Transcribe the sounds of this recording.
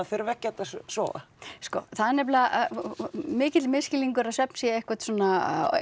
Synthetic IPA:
afɪɾvɛhcːat̪assvɔ̰ːɣa̰ | skɔθaðɪnɛp̬la | mɪːcɪt̪lmɪscɪliŋkʏɾaðsɛpnsjɛehkvat̪sɔːna

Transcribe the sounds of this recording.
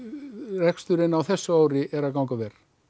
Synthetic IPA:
rɛkst̪ʏɾɪnawθɛsːʏaːwɾɪʔɛɾakawŋkavɛr̥

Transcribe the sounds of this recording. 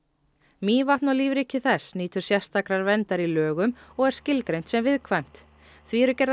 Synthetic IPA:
miːvaht̪nawliːvɾicɪθɛsniːt̪ʏɾ̥sjɛ̥st̪ʰakɾaɾvɛnt̪aɾilœːɣʏmɔɣɛɾ̥scɪlkɾejnt̪sɛmvɪðkʰvajm̥t̪ | θviɛɾʏcɛɾð

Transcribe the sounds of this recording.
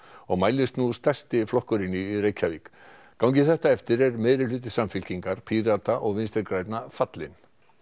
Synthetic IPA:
ɔɣmaːjlɪst̪nust̪ʰɛst̪ɪflɔhkʏɾɪnːɪireːjcʰavik | kawŋcɪθɛht̪aɛft̪ɪɾɛɾmɛðɾɪlʏːt̪̬ɪsamfɪl̥ciŋkaɾ̥pʰiɾat̪aʔɔɣvɪnst̪ɛɾkɾaːjt̪nafat̪lɪn

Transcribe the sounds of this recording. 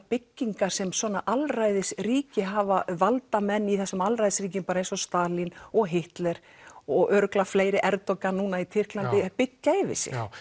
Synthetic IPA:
pɪcːiŋkḁsɛmswɔːnaʔalrajðɪsriːcɪɦavavalt̪amɛnːiθɛsːʏmalrajðɪsriːc̬ɪmpaːɾejnsɔst̪aːlinɔɣɦɪht̪lɛɾ̥ | ɔɣʔœɾklafleːjɾɪʔɛɾt̪ɔkanunait̪ʰɪr̥klant̪ɪpɪcːaɪvɪ̰sɪ̰x

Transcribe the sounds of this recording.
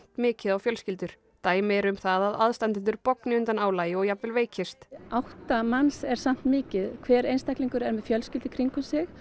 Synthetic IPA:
t̪mɪːcɪðawfjœlscɪlt̪ʏɾ̥ | t̪aːjmɪɛɾʏmθaðaðaðst̪ant̪ɪnt̪ʏɾpɔknɪʏnt̪anaːwlaːjɪɔɣjap̪vɛlveːjcʰɪst̪awht̪amansɛɾ̥sam̥t̪mɪːcɪðkʰvɛːɾejnst̪ahkliŋkʏɾɛɾmɛðfjœlscɪlt̪ɪkʰɾiŋkʏmsɪx

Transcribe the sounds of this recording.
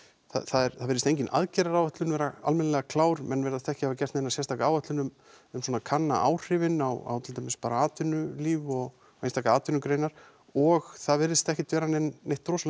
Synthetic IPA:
θa̰θaðɛɾθaðvɪɾɪt̪ejɲc̬ɪnʔa̰ðcɛɾaɾawat̪lʏnvɛːɾaa̰lmɛnlɛɣakʰlaːwɾmɛnːvɛɾasθt̪ɛhcɪhavacɛ̥t̪nɪnːasjɛst̪ʰaːkaaːwat̪lʏnʏm | ʏmswɔːnakʰanːa̰ʔa̰ːwr̥ɪvɪnawa̰wt̪ʰɪlt̪ʰejmɪspaːɾaaːt̪ʏnʏliːvɔɣ | enst̪ʰaːkaaːt̪ʏnʏkɾejnaɾ̥ | ɔɣθaðvɪɾðɪst̪ɛhcɪt̪ʰvɛːɾanɛnːejht̪ːɾowsl

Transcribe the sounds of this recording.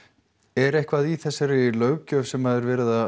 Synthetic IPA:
ɛɾejhkvaðiθɛsːaɾɪlœːɥwcœvsɛmhaðɪɾvɛːɾɪða

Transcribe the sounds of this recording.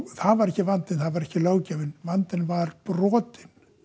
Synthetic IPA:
θaðvaɾɛhcːɪvant̪ɪnθaðvaɾɛhcɪloːwcɛːvɪnvant̪ɪnvaɾprɔːt̪ɪn

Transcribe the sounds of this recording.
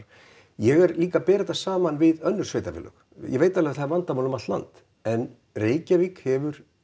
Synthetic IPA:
jɛɣɛɾliːkapɛːɾɪt̪asaːmanvɪðœnːʏ̥svejt̪afɪ̰lːœ̰x | jɛ̰veːjt̪alɛɣaθaðvant̪amaːlʏmat̪la̰nt̪ | ɛn | reːjcavikhɛvʏɾ̥

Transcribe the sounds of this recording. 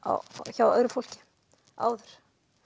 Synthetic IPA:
a̰çawœ̰ːɾʏfol̥cɪ̥ | a̰ːwðʏɾ̥

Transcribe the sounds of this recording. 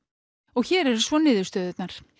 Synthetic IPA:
ɔɣçɛːɾɛɾsvɔnɪːðʏ̥st̪œːðʏt̪naɾ̥

